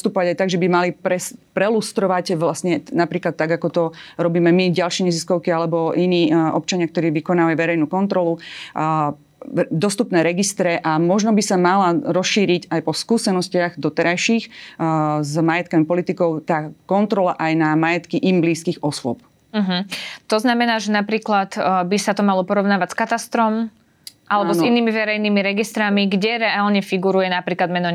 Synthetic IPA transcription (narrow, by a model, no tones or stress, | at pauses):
pst̪upɔʋaɟajt̪aɡʒɛbimalipɾɛspɾɛlust̪ɾɔʋaɟʋlasɲɛnapɾiːklat̪ːaɡakɔt̪ɔɾɔbiːmɛmiɟalʃɛɲɛziskɔʊkialɛbɔʔiniːɔ̰p̚t͡ʃaɲɪakt̪ɔɾiːʋikɔnaːʋaiʋɛɾɛjnuːkɔnt̪ɾɔlu | d̪ɔst̪upnɛːɾɛɡist̪ɾɛʔamɔʒnɔbisamalaɾɔsʃiːɾiɟajpɔskuːsɛnɔscɪaɣd̪ɔt̪ɛɾajʃiːx | zmajɛt̪̚kamipɔlit̪ikɔʊt̪aːkɔnt̪ɾɔlaʔajnamajɛt̪kiʔimbliːskiːɣɔsʊɔp̚ | m̩ɦm̩t̪ɔznamɛnaːʒɛnapɾiːklat̪bisat̪ɔmalɔpɔɾɔʊnaːʋacskat̪ast̪ɾɔm | ʔalɛbɔziniːmiʋɛɾɛjniːmiɾɛɡist̪ɾamiɡɟɛɾɛaːlɲɛfiɡuɾujɛnapɾiːklad̪mɛnɔ